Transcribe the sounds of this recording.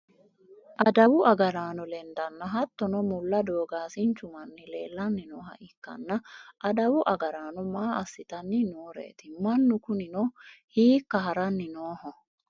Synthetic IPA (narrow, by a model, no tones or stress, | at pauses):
ʔɐd̪ɐwʊɐɡɐɾaːnɔlɛnd̪ɐnːɐɦɐt̪ːɔnɔmʊlːɐd̪oːɡaːsɪnt͡ʃʊmɐnːɪle̞ːlːɐnːɪnɔːɦɐ̰ʔɪkːɐ̰nːɐʔːɐd̪ɐwʊʔɐɡɐɾaːnɔmaːʔɐsːɪt̪ɐnːɪnoːɾḛːt̪ɪmɐnːʊkʊnɪnɔhiːkːɐɦɐɾɐnːɪnoːɦɔ